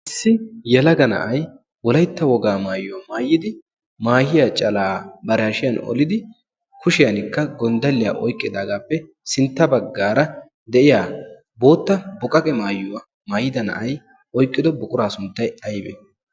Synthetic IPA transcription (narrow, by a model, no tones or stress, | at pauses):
ʔɪsːɪjɛlɐɡɐnɐ̰ʔɐj | wɔlɐjt̪ːɐwɔɡaːmaːjʊwamaːjːɪd̪ɪ | maːjɪjat͡ʃʼɐlaːbɐɾɛɐʃɪjɐnɔ̰lɪd̪ɪ | kʰʊʃɪjɐnɪkːɐɡɔnd̪ɐlːɪja̰ʔɔjkʼːɪd̪aːɡaːpːɛ | sɪnt̪ːɐbɐɡːaːɾɐ | d̪ɛʔɪjaː | bo̞ːt̪ːɐbʊkʼɐkʼɛmaːjʊwa | maːjɪd̪ɐnɐ̰ʔɐj | ʔɔjkʼːɪd̪ɔbʊkʼʊɾaːsʊnt̪ːɐjɐjbɛ̰